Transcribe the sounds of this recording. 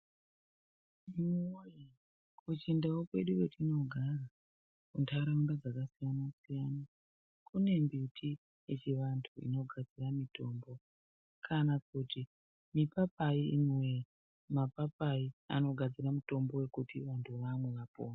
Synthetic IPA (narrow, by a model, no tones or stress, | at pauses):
ioji | kut͡ʃindawokwe̞ɗuketʰino̞ɡʱara | kuntʰaɾaundad͡zakasijanasijana | kʰune̞mbitʰi | je̞t͡ʃiʋantʰuḭno̞ɡʱad͡ziramito̞ːmbo̞ | kʰanakuti | mipapaiinwe̞ | mapapaia̰no̞ɡʱad͡ziɾamuto̞mbo̞we̞kutiʋantʰuʋamwe̞ʋapo̰ːna